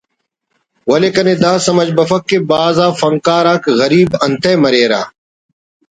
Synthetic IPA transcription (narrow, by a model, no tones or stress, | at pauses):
wɐleːkɐneːd̪aːsɐmɐd͡ʒbɐfɐkːebaːzaːfɐŋkaːɾaːkɣɐɾiːbɐnt̪eːmɐɾeːɾa̰ː